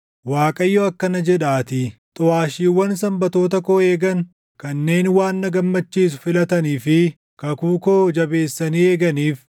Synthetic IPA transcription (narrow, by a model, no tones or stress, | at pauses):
waːkʼɐjːoɐkːɐnɐd͡ʒɛᶑaːt̪ɪt̪ʼʊaːʃiːwːɐnsɐmbɐt̪o̞ːt̪ɐkoːeːɡɐn | kɐnːe̞ːnwaːnːɐɡɐmːɐt͡ʃːiːs̬ʊ̥fɪlɐt̪ɐniːfɪ | kɐkuːkoːd͡ʒɐbe̞ːsːɐniːeːɡɐniːf